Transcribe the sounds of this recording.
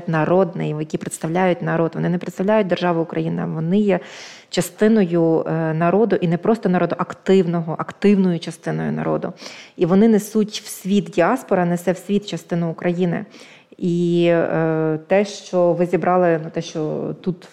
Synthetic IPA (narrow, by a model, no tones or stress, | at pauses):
tʲnɐɾɔd̪nɪjjɐkʲipɾet̪st̪ɐwlʲajʊt̚ʲnɐɾod̪ʋɔnɪnɛpɾet̪st̪ɐʋwlʲajʊt̚ʲd̪erʒɑʋʊʊkɾɐjinɪɐ̰ʋɔnɪjɛ | t͡ʃɐst̪ɪnɔjʊnɐɾɔd̪ʊʔinɛpɾɔst̪ɔnɐɾɔd̪ʊʔɐkt̪ɪwnɔɦɔʔɐkt̪ɪwnɔjʊt͡ʃɐst̪ɪnɔjʊ̰nɐ̰ɾɔ̰d̪ʊ̰iʋɔnɪnɛsutʲw̥sʲʋʲit̪dʲiɑspɔɾɐnɛsɛwsʲʋʲit̪t͡ʃɐst̪ɪnʊːkɾɐjinɪ̰ | i | t̪ɛʃt͡ʃɔʋɪzʲibɾʔɑlˠɪnʊt̪ɛʃt͡ʃɔt̪ut̪